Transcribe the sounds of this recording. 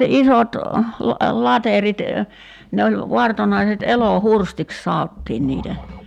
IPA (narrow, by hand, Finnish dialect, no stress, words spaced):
isot lɑterit ne olʲ ʋɑrtonɑiset elohurstiks sɑotːiːn niːtæ